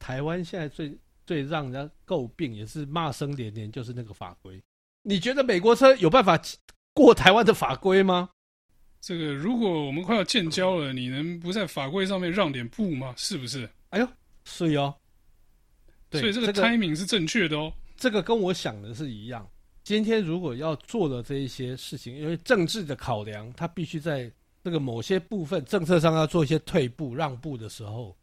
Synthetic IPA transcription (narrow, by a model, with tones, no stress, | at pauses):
t̪ʰa˧˥ɪwa˦nɕjɛ˥˧nt͡sa˥˧ɪt͡swe˥˧ɪ | t͡swe˥˧ɪɻɑ˥˩ŋn˨˩a˥ko˥˧ʊpi˥˩ŋjɛ˨˩ʂɻ̩˥˨ma˥˨sə˦ŋljɛ˧˦nljɛ˧˦nt͡ɕjo˥˧ʂɻ̩˥˧na˥˩ɡə˩fa̰˨˩kwe˦ɪ | ni˨˩t͡ɕɥɛ˧˥d̪ə˨me˨˩ɪkwɔ˧˥ʈ͡ʂʰɤ˥jo˨˩ʊpa˥˩nfa˨˩t͡ɕ | kwɔ˥˨t̪ʰa˧˥ɪwa˦˥nd̪ə˨fa˨˩kwe˦˥ɪma˧ | ʈ͡ʂə˥˩ɡə˩ɻu˧˥kwɔ˨˩wɔ˨˩mə˦nkʰjɑ˥˧ʊt͡ɕjɛ˥˨nt͡ɕjɑ˥ʊlə˨ni˨˩nə˧˦ŋp̬u˧˦t͡sa˥˩ɪfa˨˩kwe˥ɪʂ̬ɑ˥˧ŋmjɛ˥˧nɻɑ˥˨ŋt̪jɛ˨˩npu˥˩ma˦ʂɻ̩˥˩bu˨ʂ̬ɻ̩˥˩ | a˧˥jo˨˩ | ʂ̩˥˩i˧ɔ˨˦ | t̪we˥ɔ˩˦˥i˨˩ʈ͡ʂə˥ɡə˥˩tɡʰa˥ɪmi˧˥ŋʂɻ̩˥˧ʈ͡ʂə˥˧ŋt͡ɕʰɥɛ˥˩d̪ə˨ɔ˦ʈ͡ʂɤ˥˩ɡə˩kə˦nwɔ˧˥ɕjɑ˨˩ŋd̪ə˦ʂ̬ɻ̩˥˩i˧˥jɑ̰˥˩ŋt͡ɕi˥nt̪ʰjɛ˥nɻu˧˥kwɔ˨˩jɑ˥˧ʊt͡swɔ˥˩lə˩ʈ͡ʂɤ˥˧i˥˩ɕjɛ˥ʂɻ̩˥˩t͡ɕʰi˨˦ŋi˥nwe˥˧ɪʈ͡ʂɤ˥˧ŋʈ͡ʂɻ̩˥˩d̪ə˩kʰɑ˨˩ʊljɑ˧˦˥ŋt̪ʰa˥pi˥˩ɕy˥t͡sa˥˧ɪ | ʈ͡ʂɤ˥˩ɡə˩mo˨˩ʊɕjɛ˥pu˥˧fə˨nʈ͡ʂɤ˥˧ŋt͡sʰɤ˥˧ʂ̬ɑ˥˧ŋjɑ˥˧ʊt͡swɔ˥˧i˥˩ɕjɛ˥t̪ʰwe˥˧ɪpu˥˧ɻɑ˥˧ŋpu˥˨˩d̪ə˩ʂɻ̩˧˥xo˥˩ʊ